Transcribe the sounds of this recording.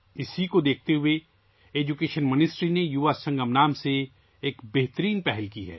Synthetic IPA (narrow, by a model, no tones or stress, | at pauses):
ɪsikod̪eːk̚ʰt̪eɦʊe | eːd͡ʒukeːʃənmɪnɪsʈɾinejuʋasɐ̃ŋɡəmnaːmse | eːkbeɦt̪əɾiːnpɛɦɛlkiɦɛ̰ː